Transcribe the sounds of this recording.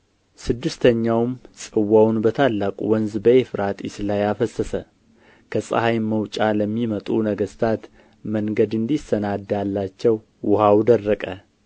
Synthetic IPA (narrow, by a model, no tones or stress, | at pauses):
sɨd̪ːɨst̪ʰəɲːawmsʼɨwːawnbət̪ʰalːakʼṵwɔnzbəefɨɾat̪ʼɪ̰slajafəsəsə | kʰəsʼə̰hajməwt͡ʃʼaləmːimət̪ʼunəɡəst̪ʰat̪ | məŋɡəd̪ɨnd̪isːənad̪ːalːat͡ʃːɛw | wʊhawd̪ərːəkʼə